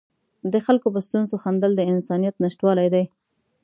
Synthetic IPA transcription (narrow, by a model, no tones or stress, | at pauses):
d̪əxalkopəst̪unzoxand̪əld̪əɪnsɑnijat̪naʃʈwɑlajd̪aj